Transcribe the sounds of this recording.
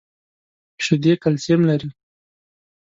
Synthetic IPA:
ʃʊd̪ekalsemlaɾi

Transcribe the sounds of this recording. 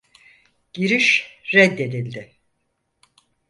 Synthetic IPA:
ɟ̥iɾiʃɾɛd̪ːe̞d̪ilʲd̪ɪ

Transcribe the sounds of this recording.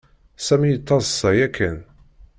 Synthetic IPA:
sæmijət̪ˤːɑzˤsːɑjækʰːən

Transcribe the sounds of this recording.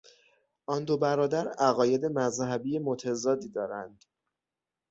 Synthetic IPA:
ʔɒnd̪o̞bæɾɒːd̪æɾæɣɒːje̞d̪e̞mæzhæbijemot̪ʰæzɒːd̪iːd̪ɒːɾænd̪̥

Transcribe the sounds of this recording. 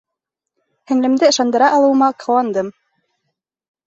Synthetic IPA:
hɘ̆ŋlɘ̆md̪ɘɤ̆ʃɑnd̪ɤ̆ɾɑʔɑlˠɤ̆w̆mɑqʰɤ̆wɑnd̪ɤm

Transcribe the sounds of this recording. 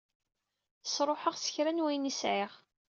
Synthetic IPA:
sɾˤoħəʁsə̥çɾænwæjnisʕɪʁ

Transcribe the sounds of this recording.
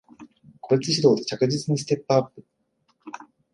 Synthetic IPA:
ko̞ɾʲit͡sɨɕid̪o̞ːd̪e̞t͡ɕakɯ̟ʑit͡sɨɲ̟is̬ɨ̥t̪e̞pːɯapːɯ̟

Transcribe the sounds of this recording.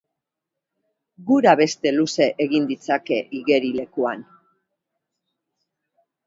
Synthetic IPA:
ɡuɾaβe̞st̪e̞luse̞ʔeɣind̪it͡sake̞ʔiɣe̞ɾile̞kuan

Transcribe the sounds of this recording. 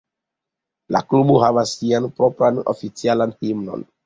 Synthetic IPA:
la̰kluboɦavasːianpɾopɾano̰fit͡sialanhimno̰n

